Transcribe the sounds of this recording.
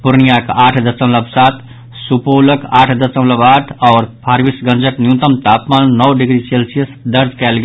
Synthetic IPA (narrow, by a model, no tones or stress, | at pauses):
pʊɾnijakaːʈʰd̪əsəmləbsat̪ʰ | supoləkaːʈʰd̪əsəmləbaːʈʰɔːɾpʰaɾʋisɡə̃nd͡ʒəknijũnt̪əmt̪apmanːɔwɖiɡɾiselsijəsd̪əɾd͡ʒkɛːlɡe